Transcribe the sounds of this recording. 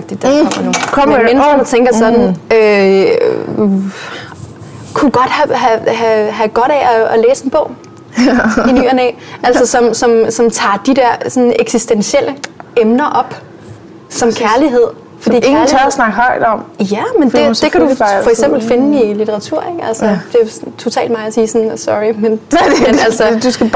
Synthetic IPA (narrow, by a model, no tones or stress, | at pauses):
ɡ̥d̥i̥d̥kɒ̽m̰ɐnukʰɒm̰ɐmensnɒt͡sʰeŋɡ̥ɐsɒ̽d̥n̩ø | kʰuɡ̥ɒ̽d̥hæɦæɦæɦæɡ̥ɒ̽ɾ̥ɛɒɒleːse̝nb̥ɔ̰̽ʊ̰ | iny̰ːɐnɛ̰ː | æl̰sɒsɒ̽msɒ̽msɒ̽mt͡sʰɑ̰̈ːd̥id̥ɛɐ̰sɒ̽neɡ̥sisd̥enɕel̰ʔəemnɐʔɒ̽b̥ | sɒ̽mkʰæɐliɦe̝ð̞̰ˠ | fɒ̽d̥ḭːŋ̩lt͡sʰœsnɑ̈ɡ̥hɒɪd̥ɒ̽m̰jæmen̥e̥ekʰæd̥ufɒ̽eɡ̥sem̰b̥l̩fe̝nəilit͡sʰeʁɑ̈t͡sʰuɐ̰eɡ̥ælsəd̥e̝t͡sʰo̝t͡sʰɛ̰ːld̥mɑ̈ːɐsiːsɔ̽nsɒʁimenmenælsɒd̥usɡ̥æ̥